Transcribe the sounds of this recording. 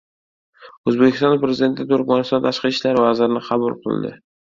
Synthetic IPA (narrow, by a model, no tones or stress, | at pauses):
ɵzbekʲʰɪ̥st̪ɒnpɾezɪd̪e̞t̪ʰɪt̪ʰʊɾkʲmanɪst̪ɒnt̪ʰaʃqɨt͡ʃlaɾvazɪɾɪnɪqʰɑbʊlˠqʰɨ̰lˠd̪ɪ̰